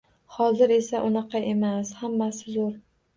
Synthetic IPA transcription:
hɒzɪɾe̞saʔʊnɑqɑe̞mashamːasɪzoɾ

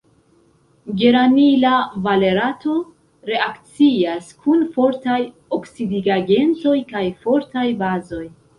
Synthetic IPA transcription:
ɡe̞ɾmanilavale̞ɾato̞ | ɾe̞akt͡siaskʰunfo̞ɾtaj | oksidiɡaɡe̞nt͡so̞jkajfo̞ɾtajbazo̞j

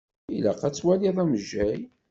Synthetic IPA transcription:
ilæqæt͡sːwæliðˤæməʒːæj

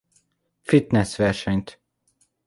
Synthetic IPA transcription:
fit̪nɛsʋɛrʃɛɲt̪

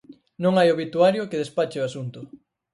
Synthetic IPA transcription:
nõŋajoβit̪uaɾjʊkeðespat͡ʃeoasunt̪ʊ

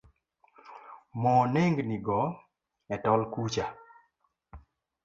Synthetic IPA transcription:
mɔneŋɡniɡɔ | ɛtɔlkut͡ʃa

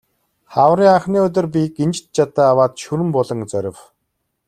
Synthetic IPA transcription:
χawɾiːŋaχniːɵt̪̬ʲɵ̆rp̬ʲikent͡ɕt̪̚t͡ɕat̪aːwaːt̪ʃuɾɘ̆mpɔɮɞ̆ŋt͡sœɾʲɪ̆w

